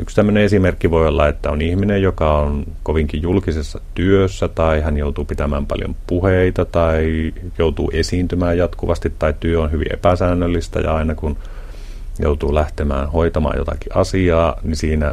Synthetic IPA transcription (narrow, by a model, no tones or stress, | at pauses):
ykst̪æmːøneesimerkːiʋoiolːɑ̰et̪ːæonihminejjokɑonkoʋiŋkijjulkisesːɑt̪yøsːæt̪ɑihænjout̪uːpit̪æmæːmpɑ̰ljo̰mpuheit̪ɑt̪ɑijout̪ṵːʔesiːnt̪ymæːjjɑt̪kuʋɑst̪it̪ːɑitt̪yøonhyʋḭʔʔḛpæsæːnːølːist̪æ̰jɑ̰ɑinɑkun | jo̰ut̪uːlæht̪emæ̰ːnhoit̪ɑmɑ̰ːjo̰t̪ɑ̰kiʔɑsiɑːnisiːnæ